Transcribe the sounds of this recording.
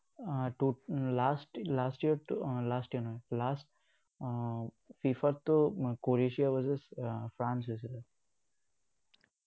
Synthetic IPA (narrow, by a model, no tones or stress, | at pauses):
ʈulaːsʈlaːsʈjiəɾlaːsʈjiəɾnolaːsʈ | fifəɾt̪ːokoɾeʃiaʋɔzɪsfɾãːnsised̪ə